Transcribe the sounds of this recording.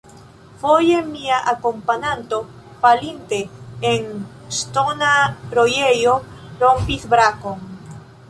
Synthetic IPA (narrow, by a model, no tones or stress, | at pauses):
fojemiaʔakompaɲant̪o | palint̪eeŋ | st̪onaɾojejoɾompiθbɾakoŋ